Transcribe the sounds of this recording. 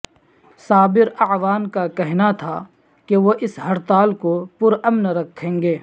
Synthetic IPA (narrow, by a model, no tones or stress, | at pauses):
saːbɪɾɐʕʋaːnkakɛɦnat̪ʰa | keʋoʔɪsɦɐɾt̪aːlkopʊɾɐmnɾɐkʰːẽːŋɡeː